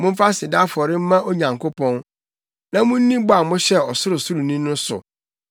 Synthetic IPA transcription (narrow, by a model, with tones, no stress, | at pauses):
mʊ̃˦m̩˦fa˦sɪ˨da˦fɔ˨ɾɪ˦m̩˦mã˦ʔo˦ɲã˨ŋkʰo˦pʰɔ̃˦n | nã˦mũ˦n̩˦nĩ˦bʊ˦a˨mʊ̃˦ɕɛ˦ɔ˨sʊ˦ɾʊ˨sʊ˦ɾu˨nĩ˦nʊ̃˦sʊ̰˨